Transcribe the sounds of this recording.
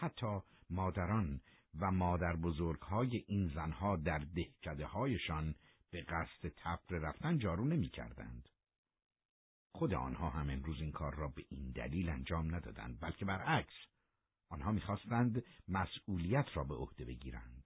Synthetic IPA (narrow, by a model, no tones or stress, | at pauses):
hæt̪ʰːɒː | mɒːd̪æɾɒːn | væmɒːd̪æɾbozoɾɡ̥hɒːjeʔiːnzænhɒːd̪æɾd̪e̞hcʰæd̪e̞hɒːje̞ʃɒːn | b̥eɣæst̪e̞t̪ʰæfɾeɾæft̪ænd͡ʒɒːɾuːne̞miːcʰæ̰ɾd̪æ̰nd̪̥ | χod̪e̞̰ɒ̰ːnhɒːɦæme̞mɾuːziːŋkʰɒːɾːɒːbe̞ʔind̪æ̰liːlænd͡ʒɒːmnæd̪ɒ̰ːd̪æ̰nd̪̚bælcʰe̞bæɾæks | ʔɒːnhɒːmiːxɒːst̪ænd̪mæsuːlijæt̪ʰɾɒːbe̞o̰hd̪e̞be̞ɟiːɾæ̰nd̪̥